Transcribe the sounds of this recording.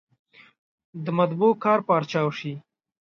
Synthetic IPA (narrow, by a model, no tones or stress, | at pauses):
d̪əmat̪bukɑːɾpɑːɾt͡ʃɑwʃi